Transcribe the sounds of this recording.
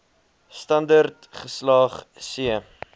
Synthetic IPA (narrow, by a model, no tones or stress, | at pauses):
stɐndərtχəslɑːχsiə